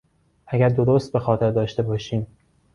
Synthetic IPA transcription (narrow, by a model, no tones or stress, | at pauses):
ʔæɟæɾd̪o̞ɾost̪̚be̞xɒːt̪ʰe̞ɾd̪ɒːʃt̪e̞bɒːʃiːm